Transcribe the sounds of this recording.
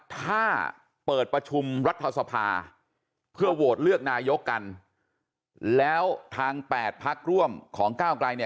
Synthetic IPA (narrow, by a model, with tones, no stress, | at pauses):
t̪ʰaː˥˩ | pɤː˨˩t̪̚pɾa˧t͡ɕʰu˧mɾa˦˥t̪ʰːa˧sa˧pʰa̰ː˧ | pʰɯ˥˩ɐwoː˨˩t̪̚lɯ˥˩ək̚naː˧jo˦˥kːa˧n | lɛː˦˥wt̪ʰaː˧ŋpɛː˨˩t̪̚pʰa˦˥k̚ɾu˥˩əmkʰɔː˩˦ŋkaː˥˩wklaː˧jni˥˩